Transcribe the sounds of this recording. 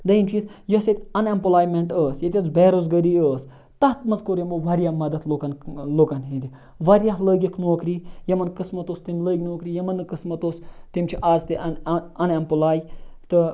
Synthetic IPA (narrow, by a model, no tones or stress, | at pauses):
d̪ɐint͡ʃʰisjɐset̪ʲɐnempulaːjmeɳʈəːsjɐt̪ʲɐt͡sbeːɾozɡɐɾiəːs | t̪ɐht̪mɐzkoɾʲjɐmboʋɐɾijamɐd̪ɐt̪lokɐnlokɐnɦend̪ʲi | ʋɐɾʲjaɦləːɡʲikʰnoːkɾiːjɐmɐnkɨsmɐt̪ost̪imləːɡʲnoːkɾiːjɐmɐnɨkɨsmɐt̪oːst̪imt͡ʃʰiʔaːzt̪iɐnempulaːjt̪ɨ